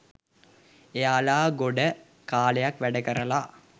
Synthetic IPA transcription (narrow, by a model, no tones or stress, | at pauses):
ejaːlaːɡoɖə | kaːlejakʋæɖəkəɾəla